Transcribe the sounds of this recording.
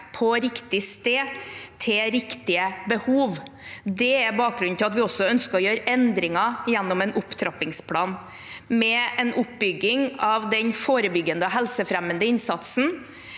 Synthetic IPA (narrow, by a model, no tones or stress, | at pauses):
pʰɔɾɪkt̪ɪst̪eːt̪ʰɪɾɪkt̪ɪəbəhuːʋd̪ɛæɾbɑːk̚ɡɾʉnnɪlɑt̪ʋɪɔsːɔœnskəɾɔjøːɾəɛnd̪ɾɪŋɑjɛnːɔmɛnʊpt̪ʰɾɑpɪŋspʰlɑːn | mɛɛnʔʊpbʏɡːɪŋɑʋd̪ɛnfoːɾəbʏɡːənd̪əɔɦɛlsəfɾɛmːənd̪əɪnsɑt̪sn̩